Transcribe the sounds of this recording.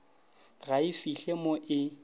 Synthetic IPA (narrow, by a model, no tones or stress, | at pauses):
ɣaɪfiɬemoʔɪ